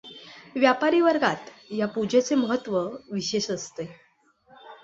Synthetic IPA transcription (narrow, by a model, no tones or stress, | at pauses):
ʋjapaɾiːʋəɾɡat̪japud͡ʑet͡seməɦət̪ːʋəʋiɕeɕəst̪e